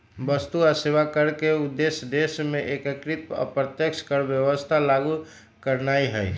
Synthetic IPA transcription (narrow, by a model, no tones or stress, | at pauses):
bəst̪uaseʋakəɾkeud̪ːesd̪eʃmẽʔekəkɾit̪̚ɔ̰pɾət̪jəkt͡ʃʰkəɾbjəʋəst̪ʰalaɡu | kəɾnaiɦɛj